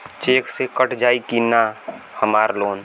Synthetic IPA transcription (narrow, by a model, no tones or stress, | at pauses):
t͡ʃeːksekəʈd͡ʒaːikina | həmaːɾloːn